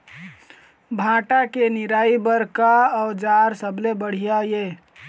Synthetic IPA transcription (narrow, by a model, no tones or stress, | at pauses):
bʱãːʈakenɪɾaːibəɾkaɔːɾd͡ʒaːɾsəblebəɽ̤ijajeː